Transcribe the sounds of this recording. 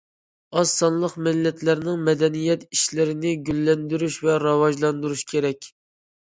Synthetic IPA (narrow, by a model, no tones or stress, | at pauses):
ɑsɑnlˠəqmɪlːɛt̪læɾnɪŋmɛd̪ɛnijɛt̪iʃlɪɾɪnɪɡʲylːɛnd̪yɾyʃvɛɾɑwɑʒlˠɑnd̪uɾuʃkʲʰeɾɛkʲ